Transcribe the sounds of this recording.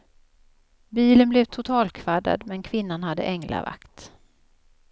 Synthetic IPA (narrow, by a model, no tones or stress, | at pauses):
biːlənblɛvt̪ʰʊt̪ʰɑːlkʰvad̪a̰d̪mɛnkʰvɪnːanɦad̪ːə̰ʔɛŋla̰va̰kt̪